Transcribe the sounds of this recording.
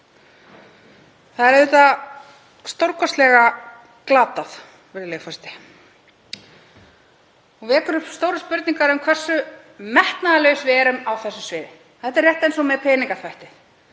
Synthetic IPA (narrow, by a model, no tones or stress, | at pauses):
θaðɛɾɪːt̪a | st̪owɾkɔst̪lɛɣa | klaːt̪aθ | vɛɾɪlɛɣfɔst̪ɪ̥ | ɔɣvɛːkʏɾʏpst̪owɾʏspʏɾt̪niŋkaɾʏmkʰvɛr̥sːʏ | mɛht̪naðalœɣʏsvɪɛɾʏmawθɛsːʏsvɪːɾɪ | θɛht̪ɛɾrjɛht̪aejnsɔmɛðpʰɛːniŋkaθvajht̪ɪ